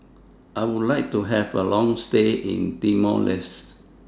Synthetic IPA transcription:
ʔaɪwudlaɪk̚tuɦɛvəlɔ̃ŋsteʔḭ̃ntimɔ̰lɪst

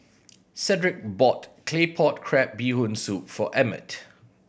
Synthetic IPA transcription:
sɛdɹɪk̚bɔtkʰlepʰɔt̚kʰɹɛp̚biːhõnsup̚fɔʔɛmə̰t

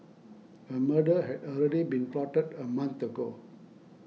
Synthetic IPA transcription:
həmədəɦɛdɔlɹɛdibĩnplɔtətəmãnt̪əɡo

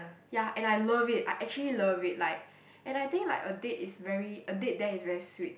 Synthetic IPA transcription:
jaʔɛ̃najləvit̚a̰jʔɛk̚t͡ʃuəliləvit̚laɪk̚ | ʔɛ̃najt̪ɪ̃ŋkla̰ɪkədetɪsvɛɹiədet̚dɛisvɛɹiswit̚

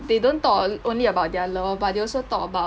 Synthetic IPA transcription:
dedõnt̪ɔtʔõnliəbaʊt̚dɛaləfbadeɔsot̪ɔ̰ʔəba

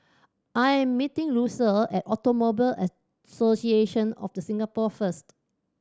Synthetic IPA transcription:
ʔajɛ̃mːitɪ̃ŋɹusəlɛtɔtomobilə | sosieʃə̃nɔ̰fdəsĩŋɡapɔfəst

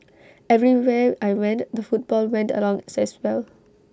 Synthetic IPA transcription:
ɛvɹiwɛajwɛ̃ntd̪əfut̚b̥ɔlwɛ̃ntə̰lɔ̃ŋsɛswɛl

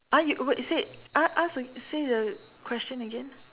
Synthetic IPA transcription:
ʔajuwɛʔseaʔasəsedə | kʰw̥ɛst͡ʃə̃nəɡɛ̃n

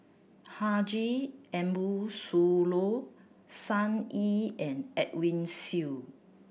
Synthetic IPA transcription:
had͡ʒiɛ̃mbusulo | sãniɛ̃nɛt̚wĩnsi

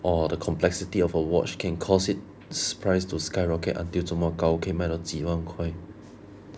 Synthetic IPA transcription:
ʔɔdəkʰɔ̃mplɛksitiɔfəwɔ̰t͡ʃkʰɛ̃nkʰɔsit̚ | sə̥pʰɹaɪstuskaɪɹɔkḛtã̰ntiltomɔkakʰemadɔt͡ʃiwãŋkʰwaɪ

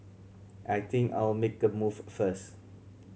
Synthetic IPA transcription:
ʔajt̪ʰĩŋka̰ɪlmek̚dəmuvfəs

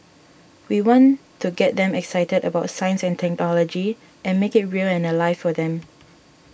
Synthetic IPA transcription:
wiwɔ̃ntʰuɡɛt̚d̪ɛ̃mɛksaɪtədəbaʊtsãjə̃nsɛ̃ntʰɛk̚nɔlɔd͡ʒi | ʔɛ̃nmekɪt̚ɹilɛ̃nəlaɪfɔdɛ̃m

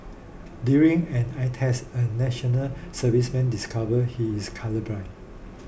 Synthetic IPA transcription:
djuɹĩŋɛ̃naɪtʰhɛsənɛʃɔnəlsəvismɛ̃ndiskʰavəhiiskʰaləbɹaɪt

